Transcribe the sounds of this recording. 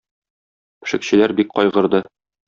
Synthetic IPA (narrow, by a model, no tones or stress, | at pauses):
pɘ̆ʃɘ̆kɕɘ̆læɾbik̚qɒjʁɤ̆ɾd̪ɤ